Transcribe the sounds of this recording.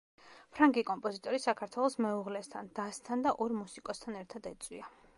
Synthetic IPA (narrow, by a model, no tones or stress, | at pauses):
pʰɾaŋɡikʼɔmpʼɔzit̪ʼɔɾisakʰaɾt̪ʰwɛlˠɔsmɛuʁlɛst̪ʰand̪̥ast̪ʰand̪aʔɔɾmusikʼɔst̪ʰanɛɾt̪ʰad̪ɛt̪sʼwḭa